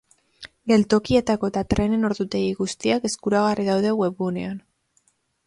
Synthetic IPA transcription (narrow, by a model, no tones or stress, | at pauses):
ɡe̞lt̪o̞kie̞t̪ako̞et̪at̪ɾe̞ne̞no̞ɾðut̪e̞iɣust̪iake̞skuɾaɣ̞ariðawðe̞ɣwe̞βune̞̰an